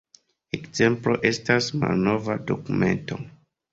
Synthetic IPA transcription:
ekzẽmploʔestasma̰lnovadokumẽ̞̰nto

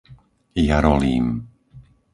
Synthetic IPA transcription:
jaɾɔliːm

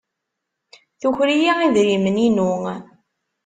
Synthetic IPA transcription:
θuçɾijiiðɾiməninu

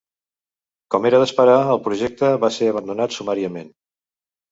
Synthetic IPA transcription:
kɔmeɾəðəspəɾaəlˠpɾuʒɛk̚t̪əβaseəβ̞ənd̪unat̪sumaɾiəmen

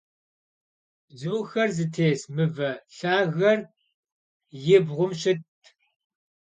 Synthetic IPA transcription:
d͡zuːxɐrzɨtʰeːsmɨvɐɬaːɣɐr | jɪbʁʷʊmɕɪt

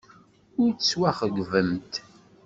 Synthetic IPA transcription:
ʊɾt͡sːswæχəɡʷvəmt̪

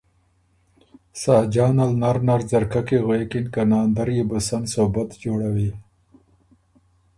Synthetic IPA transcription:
saːd͡ʒaːnalnaɾnaɾzɐɾkakeɣwekinkanaːnd̪aɾjibəsansobat̪d͡ʒoːɽawi

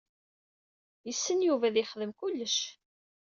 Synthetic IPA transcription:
jəsːənjuvæðɪχəðəmkʊlːəʃ

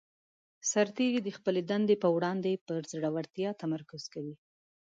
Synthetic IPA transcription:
saɾt̪eɾid̪əxpəled̪and̪epəwɽɑnd̪epəɾzɽawaɾt̪jɑt̪amaɾkʊz̥kawi

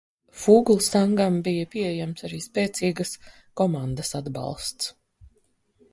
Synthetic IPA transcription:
fuːɡlˠsaŋɡambijəpiɛɛjæmt̪saɾiːspɛːt̪siːɡəs | kɔmand̪əsad̪bɑ̰lˠst̪s

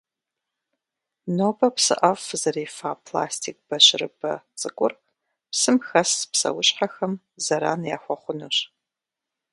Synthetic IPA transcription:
noːbɐpsɨ̰ʔɐfzɐɾiːfaːpʰla̰ːstʰik̚b̥ɐɕɪrɨ̰bɐ̰t͡sʼɨkʷʼʊr | psɨmxɐspsɐ̰wʊɕħaxɐm | zɐɾa̰ːnja̰ːxʷɔχʷʊnuɕ

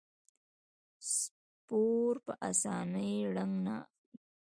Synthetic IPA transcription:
s | poɾpəʔasɑnəjɽaŋɡna̰

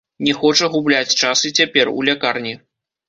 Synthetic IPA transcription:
nʲɛxɔt͡ʂɐɣublʲat͡sʲt͡ʂasɨt͡sʲapʲɛrṵlʲakarnʲi

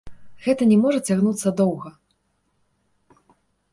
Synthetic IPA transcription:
ɣɛt̪ɐnʲɛmɔʐɐt͡sʲaɣnut̪sːɐd̪ɔwɣɐ

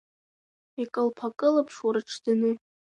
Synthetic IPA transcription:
ikʼɨlpʰakʼɨlapʰʂwaɾɨʈ͡ʂʰdanɨ

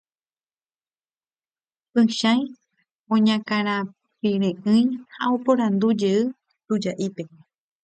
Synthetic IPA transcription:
pɨ̃ʃãj | õɲãkãɾ̃ã | piɾẽʔɨ̃j̃haopoɾãnd̪ud͡ʒe̞ɨ | t̪ud͡ʒaʔipe̞

